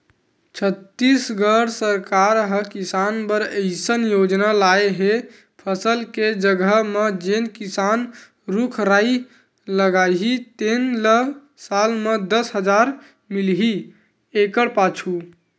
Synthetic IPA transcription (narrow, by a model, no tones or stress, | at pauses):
t͡ʃʰət̪ːisɡəɽsəɾkaɾɦəkisanbəɾəɪsənjod͡ʒnalaeɦe | pʰəsəlked͡ʒəɡəɦmed͡ʒenkisan | ɾukʰɾai | ləɡajɦit̪enlə | salmed̪əsɦəd͡ʒaɾ | milɦi | ekəɽpat͡ʃʰu